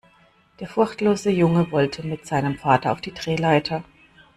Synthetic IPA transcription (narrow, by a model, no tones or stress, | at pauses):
d̥eːɐfʊɐçtloːzəjʊŋəvɔltʰəmɪtz̥aɪnəmfaːtɐa̰ʊfd̥iːdʁeːlaɪtʰɐ